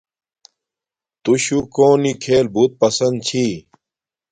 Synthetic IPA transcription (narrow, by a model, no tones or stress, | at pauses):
t̪uɕukoːnikʰeːlbut̪̚pɐsɐnd̪̚t͡ɕʰi